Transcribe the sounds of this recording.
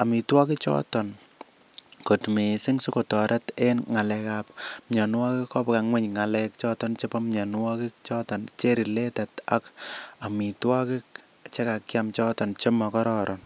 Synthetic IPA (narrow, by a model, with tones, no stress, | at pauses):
a˨mi˨twɔ˦ki˦t͡ʃɔ̰˦tɔ˨n | ko˨tme˨si˦ŋsu˦ko˨tɔ˨ɾʔa˦te˦nŋa˨lɛkapmɲɔ˨nwa˦kɪ˦kkɔ˦pka˨ŋwɛ˦ɲŋa˨lɛ˦k̚t͡ʃɔ˦tɔ˦nt͡ʃe˦pɔ˦mɲa˨n˦wɔ˦kɪ˦k̚t͡ʃɔ˦tɔ˨nt͡ʃe˦ɾi˨le˦ta˨ta̰˦ka˨mi˨twɔ˦ki˦k̚ | t͡ʃe˦ka˨kjamt͡ʃɔ˦tɔ˨nt͡ʃe˦mɔ˨kɔ˦ɾɔɾʔɔn